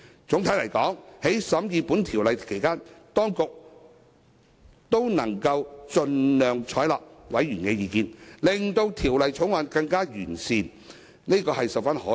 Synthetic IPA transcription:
t͡sʊ˨˧˥ŋt̪ʰɐ˨˥jlɐ˨˩jkɔː˨˥ŋhe˨˥jsɐ˨˥mjiː˨˧puː˨˥nt̪ʰiː˨˩wlɐ˨jkʰe˨˩jkaː˥nt̪ɔː˥ŋkʊ˨k̚ | t̪o˥wnɐ˨˩ŋkɐ˧wt͡ʃɵ˨˧nlœː˨ŋt͡ʃʰɔː˨˥jlɔː˨k̚wɐ˨˥jːyː˨˩nkɛ˧jiː˨˧kiː˧nlɪ˨ŋt̪o˧wt̪ʰiː˨˩wlɐ˨jt͡sʰʊ˨˥ŋwaː˧nkɐ˧ŋkaː˥jyː˨˩nsiː˨n | ne˥kɔː˧ɦɐ˨jsɐ˨wfa˥nhɔː˨˥

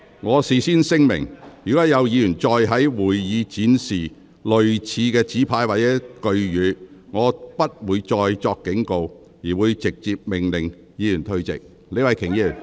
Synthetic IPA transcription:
ŋɔː˨˧siː˨siː˥nsɪ˥ŋmɪ̰˨˩ŋjy˨˩kɔː˨˥jɐ˨˧wjiː˨˧jyː˨˩nt͡sɔː˧jɦɐ˨˥jwuː˨˩jjiː˨˧t͡siː˨˥nsiː˨˩ | lɵ˨ɥt͡sʰiː˨˧kɛː˧t͡siː˨˥pʰaː˧jwaː˨t̚t͡sɛː˨˦˥kɵ˧ɥjyː˨˧ŋɔː˨˧pɐ˥t̚wuː˨˧jt͡ʃɔː˧jt͡sɔː˧kːɪ˨˥ŋko˧w | jiː˨˩wuː˨˧jt͡sɪ˨k̚t͡siː˧p̚mɪ˨˩ŋlɪ˨˩ŋ | jiː˨˧jyː˨˩nt̪ʰɵ˧ɥt͡sɪ̰˨k̚ | le˨˧˥wɐ˧˩jkʰɪ˨˩ŋji˧jy˨˩n

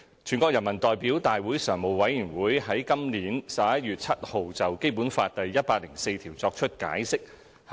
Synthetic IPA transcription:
t͡ʃʰyː˨˩nkʷɔː˧k̚jɐ˨˩nmɐ˨˩nt̪ɔː˨jpiː˨˥wt̪aː˨jwuː˨˥jsœː˨˩ŋmo˨˩wwɐ˨˥jyː˨˩nwuː˨˥jɦɐ˨˥jkɐ˥mliː˨˧˥nsɐ˨p̚jɐ˥t̚jyː˨t̚t͡sʰɐ˥t̚ho˨˧wt͡sɐ˨wke˥jpuː˨˥nfaː˧t̚t̪ɐ˨jːɐ˥t̚paː˧k̚lɪ˨˩ŋse˧jt̪ʰiː˨˩wt͡sɔː˧k̚t͡ʃʰɵ˥t̚ka̰ː˨˥jsɪ˥k̚

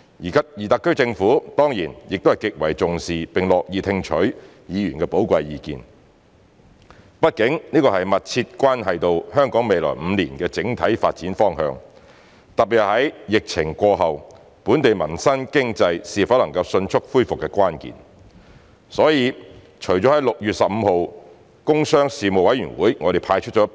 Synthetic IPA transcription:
jiː˨kʰɐ˨p̚jiː˨˩t̪aː˧kːɵ˥t͡sɪ˧ŋfuː˨˥t̪ɔː˥ŋjiː˨˩njɪ˨k̪̚whɐ˨˩jkɪ˨k̚wɐ˨˩jt͡sʊ˨ŋsiː˨pɪ˨ŋlɔː˨k̚jiː˨˧t̪ʰɪ˧ŋt͡ʃʰɵ˨˥ɥ | jiː˨˧jyː˨˩nkɛː˧po˨˥wkʷɐ˧jiː˨˧kḭː˨˧n | pɐ˥t̚kɪ˨˥ŋniː˥kɔː˧hɐ˨jmɐ˨t̚t͡sʰiː˧t̚kʷaː˥nɦɐ˨jt̪o˨whœː˥ŋkɔː˨˥ŋme˨jlɔ̰˨˩jm̩˨˧liː˨˩nkɛː˧t͡sɪ˨˥ŋt̪ʰɐ˨˥jfa̰ː˧t̚t͡siː˨˥nfɔː˥ŋhœ̰ː˧ŋ | t̪ɐ˨p̚pi˨hɐ˨˥jjɪ˨k̚t͡sʰɪ̰˨˩ŋkʷɔː˧ɦɐ˨w | puː˨˥nt̪e˨jmɐ˨˩nsɐ˥nkɪ˥ŋt͡sɐ˧jsiː˨fɐ˨˥lɐ˨˩ŋkɐ˧wsɵ˧nt͡ʃʰʊ˥k̚fuː˥jfʊ˨kːɛː˧kʷaː˥nkḭː˨n | sɔː˨˥jiː˨˧ | t͡ʃʰɵ˨˩jt͡ʃɔ˨˥hɐ˨˥jlʊ˨k̚jyː˨t̚sɐ˨p̚m̩ː˨˧ho˨w | kʊ˥ŋsœː˥ŋsiː˨mo˨wɐ˨˥jɥyː˨˩nwuː˨˥jŋɔ˨˧ɾe˨˩jpʰaː˧jt͡ʃʰɵ˥t̚t͡ʃɔː˨˥

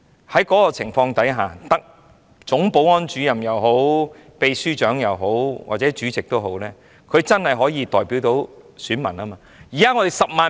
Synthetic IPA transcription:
hɐ˨˥jkɔː˨˥kɔː˧t͡sʰɪ˨˩ŋfɔː˧ŋt̪ɐ˨˥jɦaː˨t̪ɐ˥k̚ | t͡sʊ˨˥ŋpo˨˥wɔː˥nt͡ʃyː˨˥jɐ˨mjɐ˨wɦo˨˥w | pe˨˧jsyː˥t͡ʃœː˨˥ŋjɐ˨wɦo˨˥wwʔa̰ː˨t̚t͡sɛː˨˥t͡ʃyː˨˥t͡sɪ˨k̚t̪o˥wɦo˨˥wlɛː˥ | kʰɵ˨˧ɥt͡sɐ˥nhɐ˨jɦɔː˨˥jiː˨˧t̪ɔː˨jpiː˨˥wt̪o˨˥wsyː˨˥nmɐ˨˩naː˥maː˧ | jiː˨˩kaː˥ŋɔ˨˧t̪e˨jsɐ˨p̚maː˨

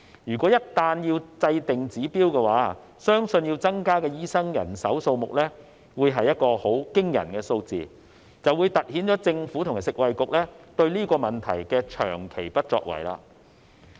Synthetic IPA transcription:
jyː˨˩kʷɔː˨˥jɐ˥t̚t̪aː˧njiː˧wt͡sɐ˧jt̪ɪ˨ŋt͡siː˨˥piː˥wkɛː˧waː˨˥ | sœː˥ŋsɵ˧njiː˧wt͡sɐ˥ŋkaː˥kɛː˧jiː˥sɐ˥ŋjɐ̰˨˩nsɐ˨˥wso˧wmʊ˨k̚lɛ˥ | wuː˨˧jɦɐ˨jːɐ˥t̚kɔː˧ho˨˥wkɪ˥ŋjɐ̰˨˩nkɛː˧so˧wt͡sḭː˨ | t͡sɐ˨wːu˨˧jt̪ɐ˨t̚hiː˨˥nt͡sɔː˨˥t͡sɪ˧ŋfuː˨˥t̪ʰʊ˨˩ŋa˨˩sɪ˨k̚wɐ˨jkʊ˨k̚lɛː˥t̪ɵ˧ɥliː˥kɔː˧mɐ˨˩nt̪ʰɐ˨˩jkɛː˧t͡ʃʰœ̰ː˨˩ŋkʰe˨˩jpɐ˥t̚t͡sɔ̰ː˧k̚wɐ̰˨˩jla̰ː˧

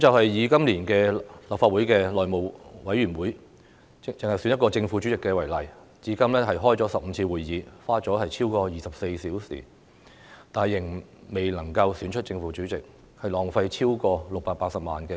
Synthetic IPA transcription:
kt͡sɐ˨whɐ˨jːiː˨˧kɐ˥mliː˨˩nkɛː˧lɐ˨p̚faː˧t̚wuː˨˥jkɛː˧lɔː˨jmo˨˩wwɐ˨˥jɥyː˨˩nwuː˨˥j | ɪt͡sɪ˨ŋhɐ˨jsyː˧˥njɐ˥tkɔː˧t͡sɪ˧ŋfuː˨˧˥t͡ʃy˨˥t͡sɪ˨kːɛː˧wɐ˨˩jlɐ˨˩j | t͡siː˨˥kɐ˥mlɛː˥ɦɐ˨jɦɔː˥jt͡sɔː˨˥sɐ˨p̚m̩˨˧t͡sʰiː˧wuː˨˩jːiː˨˧faː˥t͡sɔː˨˥hɐ˨jt͡sʰiː˥wkɔː˧jiː˨sɐ˨p̚se˧jsiː˨˥wsḭː˨˩ | t̪aː˨nhɐ˨˩jːɪ˨˩ŋme˨jlɐ˨˩ŋkɐ˧wsyː˨˧nt͡ʃʰɵ˥t͡sɪ˧ŋfuː˨˥t͡ʃyː˨˥t͡sɪ˨k̚ | hɐ˨jlɔː˨˩ŋfɐ˧jt͡sʰiː˥wkɔː˧lʊ˨k̚paː˧k̚paː˧k̚sɐ˨p̚maː˨nkɛː˧

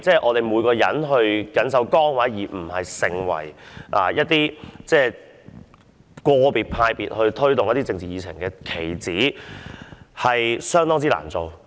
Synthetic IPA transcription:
t͡sɛː˥˩ʔɔː˨˧t̪e˨jmuː˨˧jkɔː˧jɐ̰˨˥nɦɵ˧ɥkɐ˨˥ns̬ɐ˨˥wkɔː˥ŋwaː˨˥jiː˨˩m̩˨˩hɐ˨jsɪ˨˧ŋwɐ̰˨˩jʔa̰ː˨jɐ˥t̚t̪iː˥t͡sɛː˥˩ | kɔː˧piː˨t̚pʰaː˧jpiː˨t̚hɵ˧ɥt̪ʰɵ˥ɥt̪ʊ˨ŋjɐ˥t̪iː˥t͡sɪ˧ŋt͡siː˨jiː˨˧t͡sʰɪ̰˨˩ŋkɛː˧kʰe˨˩jt͡siː˨˥ | hɐ˨jsœː˥ŋt̪ɔː˥ŋt͡siː˥la̰ː˨˩nt͡so˨w

